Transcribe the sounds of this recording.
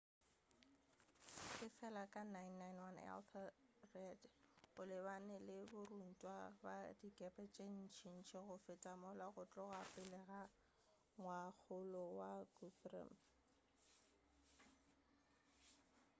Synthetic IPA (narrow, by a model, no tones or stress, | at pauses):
kʼɪfɛlakʼanajnːajnwanɛ̰lθʰrɛdɣʊlɪbanɪlɪbʊrun̩tʼwaba̰dikʼɛpʼɛt͡ʃʼen̩t͡ʃʰin̩t͡ʃʰeɣʊfɪtʼamʊlwaɣʊt͡ɬʼɔɣapʼɪlɛɣa | ŋwak͡xʰʊlɔwaɡufrɛ̰m